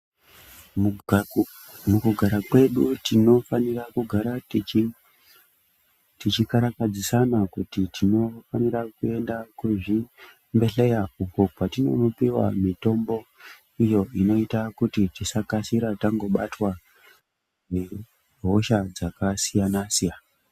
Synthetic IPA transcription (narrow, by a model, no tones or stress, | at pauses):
mukuɡʱaɾakwe̞ɗutino̞fanirakuɡʱaɾa | tit͡ʃikaɾakad͡zisanakutitino̞faniɾakue̞ndakuʐi | mbe̞ɬe̞jauko̞patino̞̰nopiwa̰mito̞mbo̞ | ijo̞ino̞itakutitisakasiɾataŋɡo̞ɓatwa | ne | ɦo̞ʃad͡zakasijanasia